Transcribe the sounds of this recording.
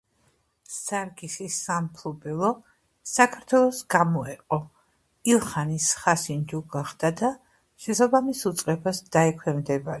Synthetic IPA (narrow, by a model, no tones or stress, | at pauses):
saɾɡisisampʰlubɛlˠɔ | sakʰaɾt̪ʰwɛlˠɔsɡamɔɛqʼɔ | ilˠχanisχasind͡ʒuɡaχd̪̥ad̪a | ʃɛsabamisut̪sʼqʼɛbasd̪̥aɛkʰwɛmd̪ɛbaɾi